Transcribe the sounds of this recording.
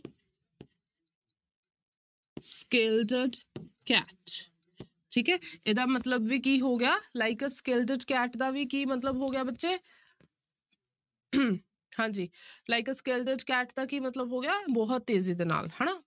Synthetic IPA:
skeːlʈəɖkɛːʈ | ʈʰiːkɛːeːd̪aːmət̪ləbʋiːkiːɦoːɡɪjaːlaːɪkskeːlʈəɖkɛːʈd̪aːʋiːkiːmət̪ləbɦoːɡɪjaːbətːʃeː | hãːd͡ʒiːlaːɪkskeːlʈəɖkɛːʈd̪aːkiːmət̪ləbɦoːɡɪaːbɔːɦət̪̚ːeːziːd̪eːna̰ːlhɛːnaː

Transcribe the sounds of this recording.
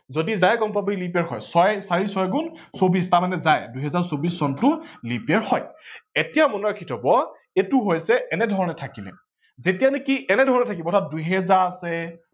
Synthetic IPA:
zodizajɡɔmpaboilip̬aɹɦɔ̰jsɔjsaɹisɔjɡunsobistamanɛzajduɦɛzaɹsobisːɔntʊlipiɛɹhɔjetijamɔnɔɹakʰitʰɔbɔ | etʊɦojsɛʔɛnɛdʱɔɹɔnɛtʰakilɛ̰ | zetijanekiʔɛnɛdʱɔɹɔnɛtʰakibɔtʰat̚duɦɛzaɹasɛ

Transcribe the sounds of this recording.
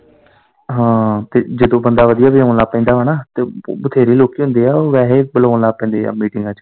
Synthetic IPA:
ɦãːt̪eːd͡ʒɪd̪õːbənd̪aːʋəd̪ijaːbɪoːnlaːpɛ̃ːnd̪aːʋəɳaːt̪eːbət̪ʰeːɾiːloːkiːɦʊ̃nd̪eːaːoʋɛːɦeːbəloːnlaːpɛ̃ːnd̪ḛːmiːʈɪŋɡãːt͡ʃ

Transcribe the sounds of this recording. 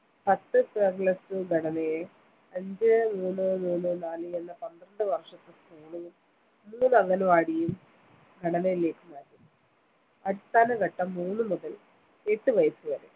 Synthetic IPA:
pɐt̪ːɨpɐɡɭɐsɨɡʱɐɽɐnɐje | ɐɲd͡ʑɨnuːnːɨnuːnːɨnaːlɨenːɐpɐnd̪rɐɳɖɨʋɐrʂɐt̪ːɨpuːɳu | uːnɐɣɐnɐʋaːɽijum | ɡʱɐɽɐnɐjile̞ːkːumaːɾi | ɐɾist̪ʰaːnɐɡɐʈːɐmːuːnːɨmuðɐl | eːt̪ːɨʋɐjɐsɨʋɐɾḛ

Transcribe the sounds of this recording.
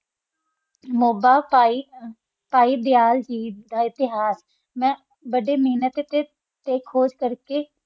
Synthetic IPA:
moːbaːpaːi | paːiːb̪ɪjaːld͡ʒiːd̪aːɪt̪ɪɦaːs | mɛ̃ː | bəɖeːməiːnət̪t̪e | t̪eːkʰːoːd͡ʒkəɾkeː

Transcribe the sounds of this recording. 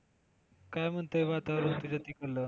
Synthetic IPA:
kajm̤əɳt̪əiʋat̪aɾunt̪ud͡ʑat̪ikəlːə

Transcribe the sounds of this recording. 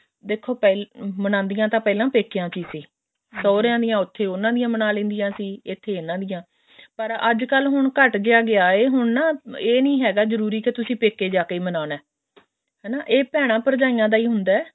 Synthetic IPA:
d̪eːkʰːoːpɛlmənãːnd̪ɪjãːt̪ãːpɛːlãːpeːkːɪjãːt͡ʃiːsiː | sɔːɾjãːd̪ɪjãːʊt̪ʰːeːʊnãːd̪ɪjãːmənãːlẽːnd̪ɪjãːsiːɪt̪ʰːeːɪnãːd̪ɪjãː | pəɾə̰d͡ʒkəlɦʊɳkəʈd͡ʒeaːɡɪaːeːɦʊɳnaːeːnĩːɦɛːɡaːzəɾuːɾiːket̪ʊsĩːpeːkeːd͡ʒaːkeiːmənaːnɛː | ɦɛːnaːʔeːpɛːɽ̃ãːpəɾd͡ʒaːijãːd̪aːiːɦʊnd̪aːɛː

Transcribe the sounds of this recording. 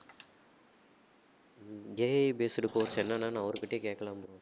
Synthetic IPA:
ɡeɐbeːsɽɯkoːɾsɛnːanːaːnãːɐʋɐɾɯkɪʈːeːkeːkːɐlãːmpɔɽõː

